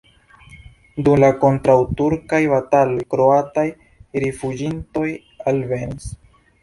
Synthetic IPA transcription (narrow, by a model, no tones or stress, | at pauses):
dumlako̞ntɾawtuɾkajbatalo̞jkɾo̞ataj | ɾifud͡ʒinto̞j | alve̞nis